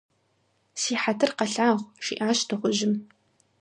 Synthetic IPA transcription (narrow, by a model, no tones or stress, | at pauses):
siːħatʰɨrqɐɬaːʁʷʃḭʔaːɕtʰɨχʷʊʑɪm